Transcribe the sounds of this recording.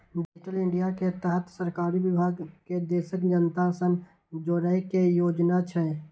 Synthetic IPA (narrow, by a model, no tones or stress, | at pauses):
ɖɪd͡ʒɪʈəlɪ̃ɳɖijaket̪əɦət̪səɾkaːɾiʋɪbʱaːɡked̪eːʃəkd͡ʒənt̪asən | d͡ʒoːɾəjkejoːd͡ʒnat͡ʃʰɛ